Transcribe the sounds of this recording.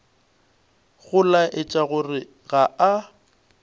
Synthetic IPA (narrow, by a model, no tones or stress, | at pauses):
ɣʊlaʔɪt͡ʃʼaɣʊrɪ | ɣaa